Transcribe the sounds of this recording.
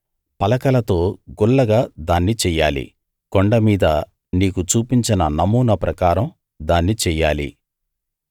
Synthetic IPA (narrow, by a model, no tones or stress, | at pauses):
pɐlɐkɐlɐt̪o̞ːɡuɭːɐɡaːd̪aːnːit͡ʃɛːjaːlḭ | kɔɳɖɐmiːd̪ɐ | niːkut͡ʃuːpiɲt͡ʃinɐnɐmuːnɐpɾɐkaːɾɐm | d̪aːnːit͡ʃɛːjːaːlḭ